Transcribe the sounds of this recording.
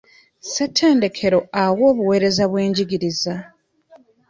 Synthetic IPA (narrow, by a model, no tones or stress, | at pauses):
se̞tʰːe̞ːnde̞kʰe̞ɾo̞awo̞ːβuwe̞ːɾe̞zaβwe̞ːɲɟiɡiɾiza